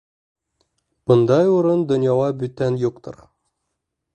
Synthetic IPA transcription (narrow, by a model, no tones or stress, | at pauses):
b̥ɤ̆nd̪ɑjuɾɤnd̪ŏnjɑlˠɑbʉt̪ːænjuqt̪ɤ̰ɾ